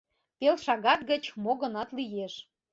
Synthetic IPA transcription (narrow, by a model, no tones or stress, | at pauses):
pelʃɑɣɑt̪̚ɡə̆t͡ɕmoɣɤ̆nɑt̪lijeʃ